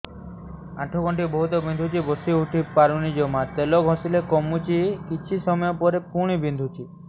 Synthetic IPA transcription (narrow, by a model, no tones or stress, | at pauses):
aʈʰokɔɳʈibɔɦut̪ɔbind̪ʱut͡ʃibɔst̪iuʈʰipaɾunid͡ʒɔmat̪elɔɡʱɔ̃silekɔmut͡ʃikit͡ʃʰisɔmɔjɔpɔɾepuɽ̃ibind̪ʱut͡ʃi